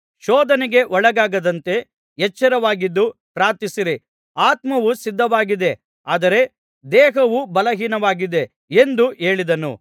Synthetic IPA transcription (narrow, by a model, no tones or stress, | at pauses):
ʃɔːd̪ɐneɡe̞ʔɔɭɐɡaːɡɐd̪ɐnt̪e̞ | jɛt͡ʃːɐɾɐʋaːɡid̪ːupɾaːt̪isiɾi | aːt̪mɐʋusid̪ʱːɐʋaːɡid̪e̞ | aːd̪ɐɾe̞ | d̪ɛːɦɐʋubɐlɐɦiːnɐʋaːɡid̪e̞ | end̪ueːɭid̪ɐnṵ